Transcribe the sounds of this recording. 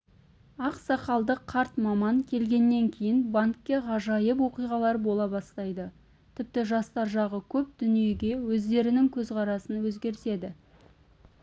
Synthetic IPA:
ɑqsɑqɑlˠd̪əqʰːɑɾt̪mɑmɑŋkʲʰe̞lɡʲe̞nːe̞ŋkʲʰe̞jɪnbaŋkʲːe̞ʁɑʒɑjəp̬wo̞qijʁɑlˠɑɾbo̞lˠɑbɑst̪ɑjd̪ə | t̪ʰɪp̚t̪ɪʒɑst̪ɑɾʒɑʁəkʲʰɵp̚d̪̥ʏnije̞ɡʲe̞wɵzd̪e̞ɾɪnɪŋkʲʰɵzqʰɑɾɑsənwɵzɡʲe̞ɾɪse̞d̪ɪ

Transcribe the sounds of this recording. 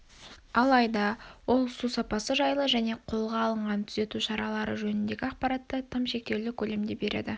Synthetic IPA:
ɑlˠɑjd̪ɑwo̞lˠsusɑpɑsəʒɑjlˠəʒæne̞qʰo̞lˠʁɑːlˠəɴʁɑnt̪ʰʏze̞t̪uʃɑɾɑlˠɑɾə̰ʒɵnɪnd̪e̞ɡʲɪɑqpɑɾɑt̪ːət̪ʰəmʃe̞k̚k̪ʲe̞wlɪkʲʰɵle̞md̪e̞be̞ɾʔḛd̪ɪ

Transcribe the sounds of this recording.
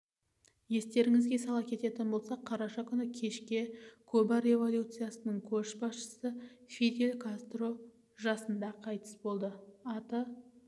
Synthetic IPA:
je̞st̪e̞ɾɪŋɪzɡʲe̞sɑlˠɑkʲʰe̞t̪e̞t̪ɪnbo̞lˠsɑqʰːɑɾɑʃɑkʲʰʏnɪkʲʰe̞ʃkʲe̞kʰɵbɑɾe̞vo̞lʲjut̪sɨjasənəɴkʲʰɵʃbɑsʃə̥səfʲid̪elʲkʰast̪ro̞ | ʒɑsənd̪ɑqʰɑjt̪ə̥sbo̞lˠd̪əɑt̪ə

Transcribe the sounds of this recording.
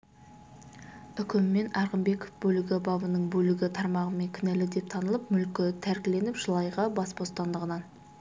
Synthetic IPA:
ʏkʲɪmːe̞nɑɾʁəmbe̞ko̥fbɵlɪɡʲɪbɑbənəɴbɵlɪɡʲɪt̪ʰɑɾmɑʁəme̞ŋkʲʰɪnælɪd̪e̞p̚t̪ʰɑnəlˠəpmʏlkʲɪt̪ʰæɾkʲɪle̞nɪpʒ̥əlˠɑjʁɑbɑsbo̞st̪ɑnd̪əʁənɑn

